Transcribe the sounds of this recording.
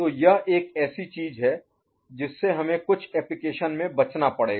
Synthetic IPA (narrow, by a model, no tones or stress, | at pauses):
t̪oːjɐɦeːkɛːsit͡ʃiːzɦɛ | d͡ʒɪsːeɦɐmẽkʊt͡ʃʰɛːplɪkeːʃənmẽbɐt͡ʃnapɐɽeːɡ